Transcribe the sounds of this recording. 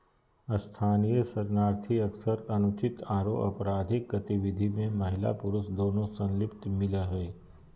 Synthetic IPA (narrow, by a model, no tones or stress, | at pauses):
əst̪ʰaːnijəsɐɾnaːɾt̪ʰiɐksəɾɐnʊt͡ʃɪt̪aːɾo̰ʔɐ̰pɾaːd̪ʱɪkɡɐt̪ɪʋɪd̪ʱimẽmɐɦɪla̰pʊɾʊsd̪oːnõsɐ̃nlɪpt̪mɪlaɦɛː